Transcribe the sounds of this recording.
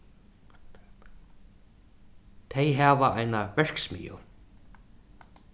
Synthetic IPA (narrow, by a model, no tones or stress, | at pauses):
t̪ʰejɦaːvaajnavɛɹ̥ksmḭːjʊ̰